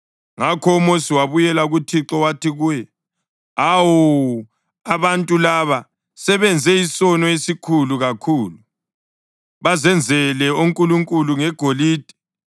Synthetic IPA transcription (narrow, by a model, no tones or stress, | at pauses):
ŋakʰɔumosiwaβujɛlauɣutʰiǁɔwatʰiɣujɛ | awu | aβantʼulaβa | sɛβɛnd͡zʱɛisɔnɔesikʰuluɣakʰuːlu | βazɛnd͡zʱɛlɛoŋkʼuluŋkʼuluŋɛɡ̥ʱoliːd̥ʱɛ̥